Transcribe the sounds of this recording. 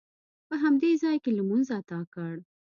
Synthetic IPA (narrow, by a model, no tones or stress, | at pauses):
pəɦamd̪ezɑjkelmunzat̪ɑkəɽ